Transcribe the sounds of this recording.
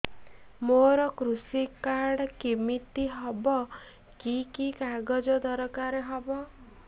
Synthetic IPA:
moɾɔkɾusikaɾɖɔkimit̪iɦɔbɔ | kikikaɡɔd͡ʒɔd̪ɔɾɔkaɾeɦɔbɔ

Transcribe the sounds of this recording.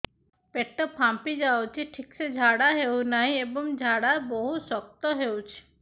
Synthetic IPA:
peʈːɔpʰampid͡ʒawt͡ʃʰiʈʰiksed͡ʒʱaɽaɦewnaɦĩebɔŋd͡ʒʱaɽaɾbɔɦusɔkt̪ɔɦewt͡ʃʰi̥

